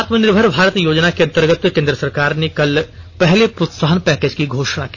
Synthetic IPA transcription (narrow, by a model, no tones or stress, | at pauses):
at̪mənɪɾbʱəɾbʱaːɾət̪joːd͡ʒnakeɐ̃nt̪əɾɡət̪kẽːnd̪ɾəsɐɾkaːɾnekɐlpɛɦlepɾot̪saːɦənpɛːkeːd͡ʒkiɡʱoːʃɽ̃aki̥